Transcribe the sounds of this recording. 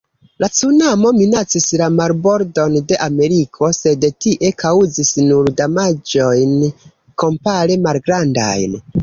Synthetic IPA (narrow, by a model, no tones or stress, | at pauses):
lat͡sunamo̞minat͡sislamaɾbo̞ɾdo̞nde̞ʔame̞ɾikʰo̞se̞dtiʔe̞kʰauzisnuɾdamad͡ʒo̞jn | ko̞mpaɾemalɡɾanda̰jn